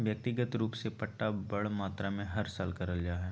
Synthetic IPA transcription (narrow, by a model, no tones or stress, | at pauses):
ʋjək̚t̪ɪɡət̪ɾuːpsepɐʈːabɐɽmaːt̪ɾamẽɦɐɾsaːlkɐɾəld͡ʒaːɦɛː